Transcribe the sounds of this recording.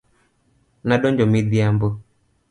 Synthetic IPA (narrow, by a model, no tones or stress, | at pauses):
naɗɔɲd͡ʒɔmiðiambɔ